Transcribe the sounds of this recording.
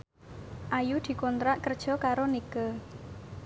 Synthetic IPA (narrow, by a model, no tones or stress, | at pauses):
ʔajud̪̥i̤kɔnt̪ɾaʔkərd̥ʒ̥ɔ̤kaɾonikə